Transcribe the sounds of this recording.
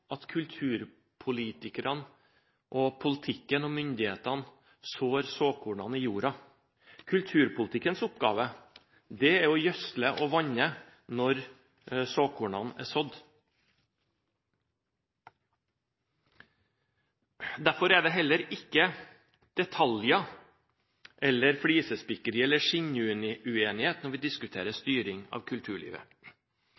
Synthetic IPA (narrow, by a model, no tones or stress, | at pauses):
ʔɑt̪kʰʉlt̪ʰʉːɾ | pʰʊliːt̪ɪkəɾʔɑn | ʔɔpʰʊlət̪ʰɪkːənɔmʏnd̪ɪheːt̪ɑn | soːɾsoːkʰʊːɳɑ̰niːjuːɾɑ | kʰʉlt̪ʰʉːɾpʊlət̪ɪkːənsʊpɡɑ̰ːʋə | d̪ɛæɾɔjœsləʔɔʋɑɲə | nɔɾ | soːkʊːɳɑnæ̰ːsɔd̪ | d̪æɾfɔɾæɖ̪ɛɦɛlːəɾɪkːə | d̪̥ɛt̪ʰɑljɑ | ʔɛlːəɾfɽiːsəspɪkəɾiːɛlːəʂɪɲʉnɪʉeːnɪheːt̪nɔɾʋɪd̪ɪskʉt̪ʰeːɾəst̪yːɾɪŋɑ̰ːʋkʰʉlt̪ʰʉːɭḭːʋə̰